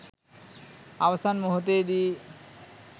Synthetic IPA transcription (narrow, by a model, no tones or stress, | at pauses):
abasʰanmoɦot̪̬ed̪i